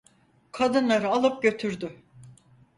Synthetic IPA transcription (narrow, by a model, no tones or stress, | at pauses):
kʰad̪ɯnlˠaɾɯalˠɯp̚ɟø̞t̪ʰyɾd̪y